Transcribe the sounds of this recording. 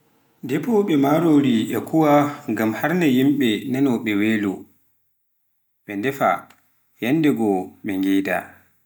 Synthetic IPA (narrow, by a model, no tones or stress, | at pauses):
dɛpɔɓɛmaɾoɾiʔɛkʰuwaŋɡamhaɾnajimɓɛnanɔɓɛweːlu | ɓɛndɛfa̰ | jɛnːdɛɡɔɓɛŋɡɛːda̰